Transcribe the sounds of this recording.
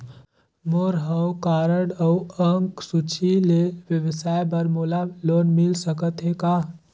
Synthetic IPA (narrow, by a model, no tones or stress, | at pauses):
moːɾɦəwkaːɾəɽəwəŋksut͡ʃʰileʋjəʋsaːjbəɾmoːlaloːnmɪlsəkət̪ɦekaː